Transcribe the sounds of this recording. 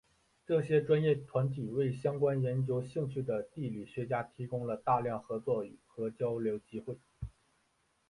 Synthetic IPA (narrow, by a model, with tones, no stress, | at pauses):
ʈ͡ʂɤ˥˩ɕjɛ˥ʈ͡ʂwa˥njɛ˥˩t̪ʰwa˧˥nt̪y˨˩we˥˩ɪɕjɑ˥ŋkwa˥njɛ˧˥nt͡ɕjo˥ʊɕi˥˧ŋt͡ɕʰy˥˩d̪ə˩t̪i˥˩ly˨˩ɕɥɛ˧˥t͡ɕja˥t̪ʰi˧˥kʊ˥ŋlə˨t̪a˥˧ljɑ˥˩ŋxɤ˧˥t͡swɔ˥˩y˨˩xɤ˧˥t͡ɕjɑ˥ʊljo˧˥ʊt͡ɕi˥xwe˥˩ɪ